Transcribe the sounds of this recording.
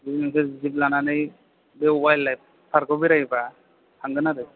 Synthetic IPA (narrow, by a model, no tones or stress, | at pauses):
binaŋsɯzib̚lananɯj | bewajlːajp̚ | pʰaɾkʰɔbiɾajba | hʰaŋɡɯnaɾɯj